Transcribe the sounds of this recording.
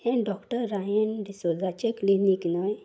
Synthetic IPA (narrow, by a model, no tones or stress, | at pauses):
hẽɖɔkʈəɾːajənɖisɔd͡zat͡ɕekliniknəj